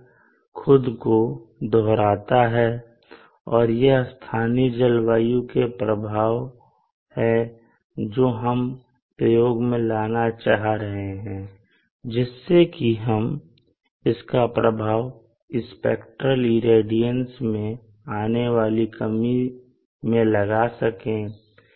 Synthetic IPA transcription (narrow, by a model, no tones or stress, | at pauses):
xʰʊd̪kod̪ʱɔɦɾaːt̪aɦɛ | ɔːɾjest̪ʰaːnid͡ʒəlwaːjũkepɾəbʱaːʋ | hɛ | d͡ʒoːɦəm | pɾəjoːɡmẽlaːnat͡ʃaːɦaɾəɦeɦɛ̃ː | d͡ʒɪsːekiɦəm | ɪskapɾəbʱaːʋ | ɪspeːkʈɾəliɾeːɖijənsmẽ | aːneʋaːlikəmi | mẽlɐɡasəkẽː